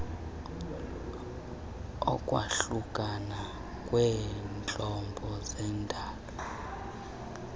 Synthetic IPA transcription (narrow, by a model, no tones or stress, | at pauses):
ɔ̰kʼwa̰ɬukʼana | kʼwɛːnt͡ɬʼɔmbʱɔzɛndʱaːlɔ